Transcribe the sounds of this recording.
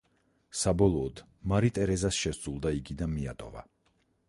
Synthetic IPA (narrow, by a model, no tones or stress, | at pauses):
sabɔlˠɔːd̪̥ | maɾit̪ʼɛɾɛzasʃɛsɾulˠd̪aiɡid̪anmiat̪ʼɔva̰